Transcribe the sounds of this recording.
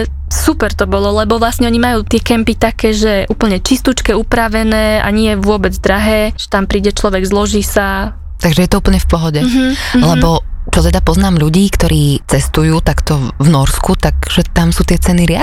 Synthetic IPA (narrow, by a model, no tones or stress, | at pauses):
supɛɾt̪ɔbɔlɔlɛbɔʋlasɲɛɔɲimajuːt̪ɪɛkɛmpit̪akɛːʒɛʔuːpl̩ɲɛt͡ʃist̪ut͡ʃkɛupɾaʋɛnɛːa̰ɲɪɛʋʊɔbɛd͡zd̪ɾaɦɛːʒ̥ɛ̥t̪ampɾiːɟɛt͡ʃlɔʋɛɡzlɔʒiːsa | t̪aɡʒɛjɛt̪ɔuːpl̩ɲɛfpɔɦɔɟɛlɛbɔt͡ʃɔt̪ɛd̪apɔznaːmʎuɟiːkt̪ɔɾʔiːt͡sɛst̪ujuːt̪akt̪ɔvnɔɾskut̪aɡʒ̥ɛt̪amsuːt̪ɪɛt͡sɛniɾɪa